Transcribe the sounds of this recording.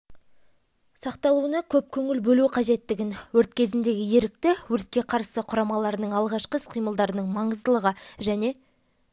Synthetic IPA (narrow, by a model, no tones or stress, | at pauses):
sɑqt̪ɑlˠuənɑkʲʰɵp̚kʲʰɵŋɪlbɵluqʰɑʒe̞t̪ːɪɡʲɪnwɵɾt̪kʲʰe̞zɪnd̪e̞ɡʲɪje̞ɾɪk̚t̪ɪwɵɾt̪̚kʲe̞qʰɑɾsəqʰʊɾɑmɑlˠɑɾnəɴɑlˠʁɑʃqəsqʰijməlˠd̪ɑɾənəɴmɑɴəzd̪əlˠəʁəʒæne̞